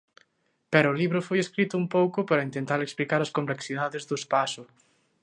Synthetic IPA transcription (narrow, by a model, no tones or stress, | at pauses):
pɛɾʊʊliβɾʊfojeskɾit̪ʊumpowkʊpaɾɐint̪ent̪aɾeksplikaɾɐskompleksið̞aðezðʊespasʊ